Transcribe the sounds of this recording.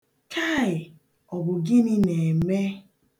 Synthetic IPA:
kʰa˦˨ɪ˨ | ɔ˨bʊ˨ɡɪ˦nɪ˦ne˨me˦

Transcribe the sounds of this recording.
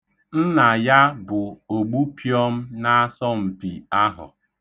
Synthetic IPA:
n̩˦na˨ja˦bʊ˨o˨ɡ͡bu˦pʰjɔ˦m̩˦na˦a˦sɔ˦m̩˨pi˨a˦ɦʊ̰˨

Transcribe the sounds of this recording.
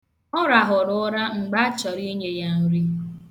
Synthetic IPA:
ɔ˦ɾa˨ɦʊ˨ɾʊ˦ɾa˦ŋ͡m̩˨ɡ͡ba˦t͡ʃɔ˨ɾi˦ɲe˨ja˦n̩˨ɾi˦

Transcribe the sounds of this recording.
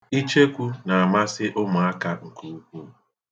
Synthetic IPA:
i˦t͡ʃe˦kʷu˦na˨a˨ma˦sɪ˦ʔʊ˦mʊ˨a˦ka˦ŋ̩˨ku˦u˦ku˦

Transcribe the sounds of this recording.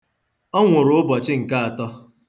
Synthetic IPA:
ɔ˦ŋʷʊ˨ɾʊ˦ʊ˦bɔ˨t͡ʃɪ˦ŋ̩˨ka˦a˨tɔ˦

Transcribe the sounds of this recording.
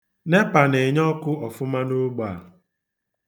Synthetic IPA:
ne˦pa˨ne˨ɲɔ˦kʊ˦ɔ˨fʊ˦ma˦no˦ɡ͡ba˨

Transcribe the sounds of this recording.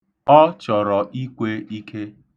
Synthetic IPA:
ɔ˦t͡ʃɔ˨ɾɔ˨ʔi˦kʷe˦i˦kʰe˦

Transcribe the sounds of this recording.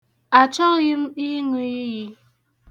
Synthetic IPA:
a˨t͡ʃɔ˦kjɨ˦mi˦ŋi˨i˦ji˨

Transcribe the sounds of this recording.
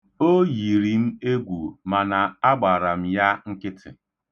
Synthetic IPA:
o˦ji˨ɾi˨˦m̩˦e˦ɡʷu˨ma˨na˨a˦ɡ͡ba˨ɾa˨m̩˦ja˦ŋ̩˦kɪ˦tʰɪ̰˨

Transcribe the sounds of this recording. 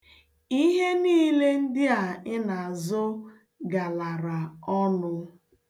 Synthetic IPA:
i˦ɦe˦niː˦le˦n̩˦dɪ˦a˨ɪ˦na˨a˨zʊ˦ | ɡa˨la˨ɾa˨ɔ˦nʊ˦

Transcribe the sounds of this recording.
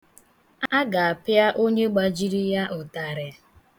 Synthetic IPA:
a˦ɡa˨a˨pja˦ʔo˦ɲe˦ɡ͡ba˨d͡ʒi˦ɾi˦ja˦ʔʊ˨ta˨ɾɪ˨

